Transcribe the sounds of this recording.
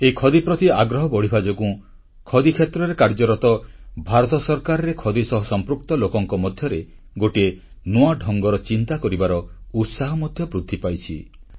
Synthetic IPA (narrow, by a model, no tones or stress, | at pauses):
eikʰɔd̪ipɾɔt̪iaɡɾɔɦɔbɔɽ̤ibʱad͡ʒɔkũ | kʰɔd̪ikʰjet̪ɾɔɾekaɾd͡ʒɔɾɔt̪ɔbʱaɾɔt̪ɔsɔɾkaɾɔɾekʰɔd̪isɔɦɔsɔmpɾuk̚t̪ɔlokɔŋkɔmɔd̪ʱjɔɾe | ɡoʈie | nuaɖʱɔŋɡɔɾɔt͡ʃint̪akɔɾibaɾɔut̪saɦɔmɔd̪ʱjɔbɾud̪ʰʱːipajt͡ʃʰḭ